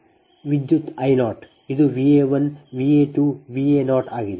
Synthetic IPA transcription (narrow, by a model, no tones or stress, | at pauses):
ʋid̪jut̪ajnɔːʈ | id̪uʋiːeʋɐnʋiːeːʈuːʋiːenɔːʈaɡi